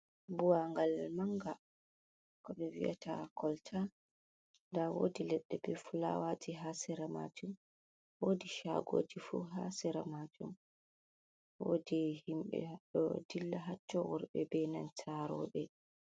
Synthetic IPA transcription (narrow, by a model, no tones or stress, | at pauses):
buwaŋɡalmaŋɡa | kɔɓɛwḭa̰takʰɔltʰa | ndawo̰ːdilɛɗːɛbɛfula̰wad͡ʒiɦasɛɾama̰d͡ʒum | wodiʃa̰ɡoːd͡ʒifuɦasɛɾamad͡ʒum | woːdihimɓɛ̰ɗɔdilːaɦatːɔwɔ̰ɾbɛbɛnant͡ʃʰaɾɔɓɛ